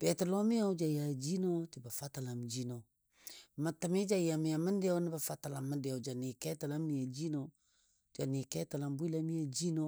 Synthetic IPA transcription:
b̥ɛ˨tə˨lo˦mi˦a˦wd͡ʒa˨ja˨d͡ʒi˦no˦ti˨ba˨fa˦ta˨la˨m˨d͡ʒi˦no˨ | ma˨tə˨mi˦d͡ʒa˦˨ja˨mi˨ja˨mə˦n˦dɛ˦wnə˦ba˨fa˦ta˨la˨mːə˦dɛ˨d͡ʒa˨ni˨kɛ˦ta˨la˦mni˨ja˨d͡ʒi˦no˨ | d͡ʒa˨ni˨kɛ˦ta˨la˨mbu˦i˦la˦mi˦a˨d͡ʒi˦no˦

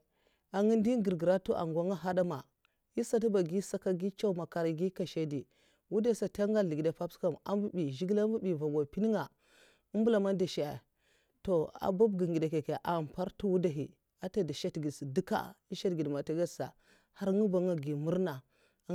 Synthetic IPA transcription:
a˨ŋi˦n˦di˦ɡə˨ɾɡi˨ɾa˦tu˦ʔa̰˨ŋ˨ɡʷa˦ŋa˦ɦa˦da˦ma˨ | ji˦sa˦t̬u˦ba˨ɡi˦sa˦ka˦ɡi˦t͡ʃa˦u˦ma˨ka˨ɾɡi˦ka˨ʃa˦di˨ | wu˦da˦˨sa˨ta˦ŋɡa˦ɮi˨ɡi˨da˨pa˦bska˦˨ma̰˨mbu˦bi˨ʒi˦ɡla˦bu˦bi˨va˨ɡa˨pi˦n˦ŋa˨ | u˦bu˦la˨ma˦da˨ʃa˨a˨ | to˨a̰˨ba˦bɡi˨ŋɡi˨da˨ke˨ke˨ʔa˨pa˦ɾtu˦wu˦da˦ɦi˨ | a˦ta˦da˨ʃa˦tɡi˨dsi˨di˦ka̰˦i˦ʃa˦tɡi˨dma˨ta˦ɡa˦sa̰˨ | ha˦ɾŋu˦ba˨ŋa˦ɡi˨mu˦ɾna˨

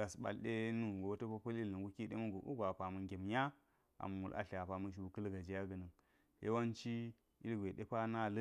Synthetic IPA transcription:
a˨sɓa̰˨lɗe˦nu˦ɡo˨wtə˦pa˦pa˦li˦lɨ˨ŋɡu˦ki˦ɗe˦mu˦ɡo˨ʔṵ˦ɡʷa˨pa˨mə˨nɡʲe˨mja˦ | a̰˨m˨mṵ˨lʔa̰˨ɬa˨pa˨mu˦ʃ̬u˨kɨ˦lɡa˨d͡ʒi˨ja˦ɡə˨nɨ˨ŋ | jḛ˦wa˦nt͡ʃi˦ | ḭ˦lɡʷe˨ɗe˦pa˦na˦˨lə˦

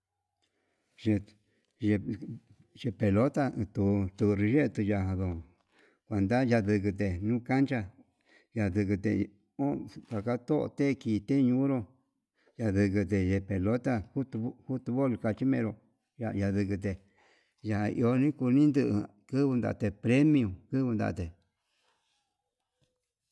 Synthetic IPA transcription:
ʒe˧ | ʒe˧ | t͡ʃe˧pe˨lo˦t̪a˧ɨ̃˧t̪u˧t̪u˧ɾi˧ʒe˦t̪u˧ja˧hã˧ðo˧˨ | kʷa˨nd̪a˦ja˧ðɨ˧k̬ɨ˧t̪e˨nũ˦ka˦nt͡ʃa˧ | ja˧ðɨ˧kɨ˧t̪ḛ˨ | o˦t̪a˨ka˦t̪o˦ʔo̰˧t̪e˦˧kiː˧˨t̪e˦˧ɲũ˧˦ɾo˧ | ja˧ðɨ˧k̬ɨ˧t̪̬e˧˨je˧pe˨lo˦t̪a˧hu˦t̪u˧˦hu˦t̪u˧βo˦˨lka˧t͡ʃi˦mẽ˧ɾo˧ | ja˧ja˧ðɨ˧kɨ˧t̪̬e˨ | ja˧hã˧ʔḭ˧o˧nĩ˦ku˧nĩ˦nd̪ɨ˦˧ʔɨ̰˧ | kɨ˦βɨ˧nd̪a̰˧˨˧t̪e˧pɾe˦mĩ˧ũ˧kɨ˦βɨ˧nd̪a̰˧˨t̪e˨

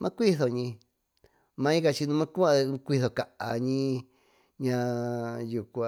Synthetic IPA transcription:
mʔã˦kʷi˦θo˨ɲĩ˧ | mã˧˦ĩ˦ka˧t͡ʃi˧nũ˧mã˦ku˦ã˦˧kʷi˦˧θo˨ka˨ʔa˧ɲĩ˦ | ɲã˧ju˨kʷa˧

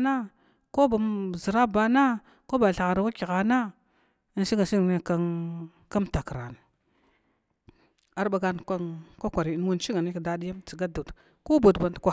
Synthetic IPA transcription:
na˦ | ko˦ba˨m˦˨zi˨ɾa˦ba˦na˦ | ko˦ba˨ɬa˨ɣa˨ɾa˨wa˦ki˨ɣa˨na˦ | n˦si˦ŋa˨si˦ŋ˨ne˦ka˦ | ka˦mta˨kɾa˨n˨ | a˦ɾba˨ɡa˦n˨ka˦kʷa˦kʷa˨ɾi˨˦n˦wu˦n˦t͡ʃi˦ŋa˨ni˦kda˦di˦ja˦mt͡si˨ɡa˦du˨t | ko˦bu˨dba˨n˨dkʷa˨

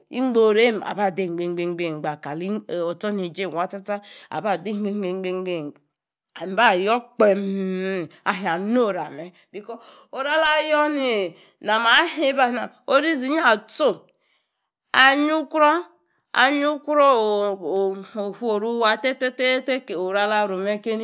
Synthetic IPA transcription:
ḭ˦ŋ͡mɡ͡bo˨ɾe˦m˨a̰˨ba˨de˨ŋ͡m̩˨ɡ͡be˨ŋ͡mɡ͡be˨ŋ͡mɡ͡be˨ɡ͡ba˨ka˨li˦˨o˨to˦ni˨d͡ʒe˦˨wa˦ta˦ta˦a̰˨ba˦˨di˦ŋ͡mɡ͡be˦ŋ͡mɡ͡be˨ŋ͡mɡ͡be˦ŋ͡mɡ͡be˦˨ | m̩˨˦ba˦˨jɔ˦k͡pe˨m˦a˨ɦi˨a˨no˦˨ɾa˨me˨ | bi˨kɔ˦ | o˨ɾa˦la˦jɔ˦ni˨ | na˨ma˨˦ɦi˦ba˦na˨ | o˦ɾi˦zi˨˦ɲ˦a˦˨to˦ | a˨ɲu˦kɾɔ˦ | a̰˨ɲu˦kʷu˦ɾo˦˨ | o˨hu˦o˨ɾu˦wa˨te˦te˦te˦te˦ke˨o˨ɾa˦la˦˨ɾo˨me˦ke˦ni˦

